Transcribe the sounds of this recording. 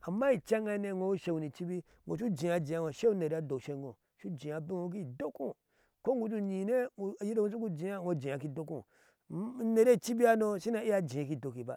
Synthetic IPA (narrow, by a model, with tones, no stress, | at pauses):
a˨mːa˦i˨t͡ʃa˦ŋa˦ne˦˨ŋo˨wu˦ʃe˨wu˨ni˨t͡ʃi˦bi˦ | ŋo̰˨t͡ʃu˦d͡ʒĩ˨ja˨d͡ʒi˨a˦ŋo˨ʃe˦u˦ne˨ɾi˦a˦do˨ʃe˦ɡo̰˨ | ʃu˦d͡ʒĩ˨ja˨bi˦ŋo˦k̬i˦do˦ku˦ | ko˦ŋɡu˦tu˦ɲi˨ne˦˨ji˦de˦˨ŋu˦t͡ʃu˦ku˦d͡ʒi˨˦a˦˨ŋo˦d͡ʒĩ˨a˨k̬i˦do˦kũ˦˨˦ | ne˨ɾe˦˨t͡ʃi˦bi˦a˦no˦ʃi˦na˨i˦a˦d͡ʒĩ˨a˨ki˦˨do˨ki˨ba̰˦˨